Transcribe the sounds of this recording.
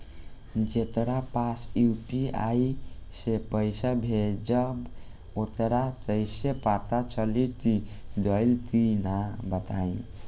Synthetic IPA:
d͡ʒet̪ɾapasjupia̰isepəjsabʱed͡ʒəb | ot̪ɾat̪əjsepat̪at͡ʃəlit̪id̪əjlt̪inabət̪aĩ

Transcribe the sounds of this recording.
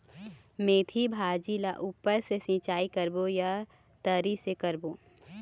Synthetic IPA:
mẽːt̪ʰibʱaːd͡ʒilaʔuːpəɾsesĩːt͡ʃaːikəɾboja | t̪əɾisekəɾboː

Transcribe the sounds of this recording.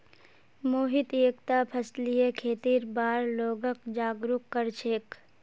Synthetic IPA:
moːɦɪt̪eːkt̪apʰəslijekʰeːt̪iːɾbaːɾloːɡəkd͡ʒaːɡɾukːəɾt͡ʃʰeːk

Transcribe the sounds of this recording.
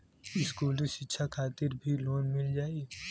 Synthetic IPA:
ɪskuːlʃɪtːʃʰakʰaːt̪ɪɾbʱiloːnmɪld͡ʒaːi

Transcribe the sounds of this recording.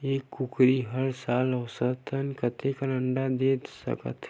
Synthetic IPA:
eːkːʊkɾiɦəɾsaːləwsət̪ʰənkət̪ekənəɳɖad̪eːt̪sə̰kə̰t̪ʰ

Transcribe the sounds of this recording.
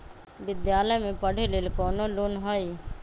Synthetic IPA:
ʋɪd̪jaːləjmẽpəɽ̤ʱeleːlkɔːnoloːnɦai

